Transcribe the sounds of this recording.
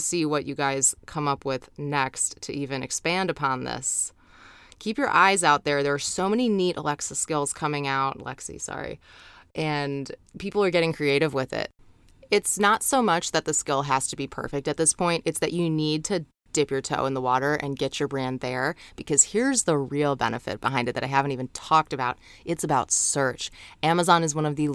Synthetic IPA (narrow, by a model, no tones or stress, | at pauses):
siwʌt͡ʃɨɡaɪz̥kʰʌ̃mʌpwɪð̥nɛkstʰɨ̰ʔivɨ̃nɨ̰kspæ̃ndɨpʰɑ̃nðɪ̰s | kʰipjə̰˞ʔaɪzaʊt̪̚ðə˞ðə˞ːsoʊmɛniniɾʔə̰lɛksəskɪlˠz̥kʰʌmɪ̃ŋaʊt̚lɛ̰ksḭsɑ̰ɹḭʔɨ̃npʰipl̩ˠə˞ɡɛɾɪ̃ŋkʰɹ̥ieɪɾɨvwɪðɪ̰t̚ | ɪtsnətsoʊmʌt͡ʃðɨt̪̚ðɨskɪlˠɦæz̥tʰɨbipʰɜ̰˞fɨk̚tɨt̪̚ðɪspʰɔ̃ɪ̃ntɨtsðɨt͡ʃɨnid̚tʰɨ | d̥ɪpjə˞tʰo̰ʊə̃nðəwɔɾə˞ʔɨ̰̃nɡɛt͡ʃə˞bɹæ̃nðə˞b̥ɨkʰʌz̥hiɹzðəɹilˠbɛ̰nɨfɨ̰t̚b̥əɦãɪ̃ndɨt̪̚ðɨɾaɪɦævɨ̃n̩tivɨ̃n̩tʰɔk̚tɨbaʊɾ | ʔɨtsɨbaʊtsɜ˞t͡ʃæməzɑ̃nɨzwʌ̃ñʌvðɨ